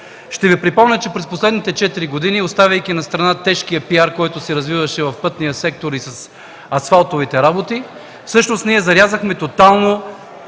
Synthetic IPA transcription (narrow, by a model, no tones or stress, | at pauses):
ʃt̪ɛvipɾipɔmnʲət͡ʃɛpɾɛsposlɛd̪nit̪ɛt͡ʃɛt̪iɾiɡod̪iniost̪avʲɐjkinɐst̪ɾɐnat̪ɛʃkijɐpiaɾkɔjt̪ʊsɛɾɐzvivɐʃɛvɐfpɤt̪nijɐsɛk̚t̪oɾisɐs | ɐsfalˠt̪ovit̪ɛɾabot̪i | fsɤʃnost̪niɛzɐɾʲjazəxmɛt̪ot̪alˠno